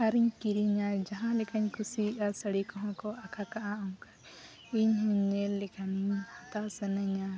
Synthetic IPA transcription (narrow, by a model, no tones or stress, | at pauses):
aɾiɲkiɾiɲad͡ʒaɦãlɛkʰaɲkusiasəɽikɔɦɔ̃kɔʔakʰakaʔaɔŋka | iɲhuɲːɛlːɛkʰaniɲhɔt̪asənɛɲa